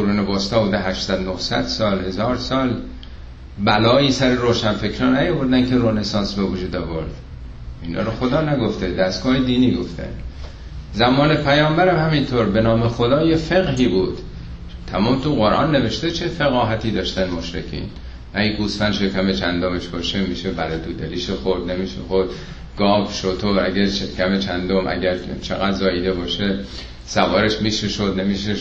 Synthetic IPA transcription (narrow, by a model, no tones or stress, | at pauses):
oɾuːnebɒːst̪ɒːbud̪eɦæʃsæd̪nohsæ̰d̪̥sɒːlhe̞zɒːɾsɒːl | bælɒːiːsæɾeɾoːʃænfe̞kʰɾɒːnæjɒvoɾd̪ænkʰeɾonesɒːnsbevud͡ʒuːd̪ɒːvo̰ɾd̪̥ | inɒ̰ːɾoxod̪ɒːnæɡo̞ft̪ed̪æst̪ɡ̥ɒːhed̪iːniːɡo̞̰ft̪æ̰n | zæmɒːnepʰæjɒːmbæɾæmhæmint̪ʰoɾbe̞nɒːmexod̪ɒːjefeɣɦiːbuːd̪̥ | t̪ʰæmɒːmt̪uɣoɾʔɒ̰ːnːe̞veʃt̪et͡ʃʰe̞feɣɒːɦæt̪ʰiːd̪ɒːʃt̪ænmoʃɾḛcʰḭːn | æɡusfænʃekʰæmet͡ʃʰænd̪omeʃbɒːʃemiːʃebæɾet̪ʰud̪eliːʃexoɾd̪nemiːʃḛxoɾd̪̥ | ɡ̥ɒːvʃot̪ʰoæɡæɾʃekʰæmet͡ʃʰænd̪omʔæ̰ɟæɾt͡ʃʰeɣæd̪zɒːjid̪ebɒːʃe | sævɒːɾeʃmiːʃeʃod̪ne̞miːʃe